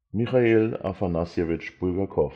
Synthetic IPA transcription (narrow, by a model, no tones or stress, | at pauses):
miχaeːla̰fanasjevɪt͡ʃb̥uɡɐkʰɔf